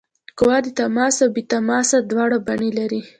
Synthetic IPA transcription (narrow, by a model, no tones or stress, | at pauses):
kʊwɑd̪ət̪amɑsawbet̪amɑsad̪wɑɽabaɳelaɾi